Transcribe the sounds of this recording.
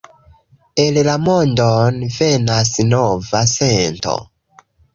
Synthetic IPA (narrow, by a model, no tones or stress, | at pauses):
e̞llamo̞ndonve̞nasnovase̞nto̞̰